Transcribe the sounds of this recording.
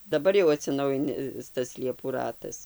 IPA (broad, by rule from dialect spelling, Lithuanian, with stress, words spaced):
dɐˈbɐr jɛʊ ɐtʲsʲɪˈnɐʊjɪnʲɪs tɐs ˈlʲiɛpuː ˈrɑːtɐs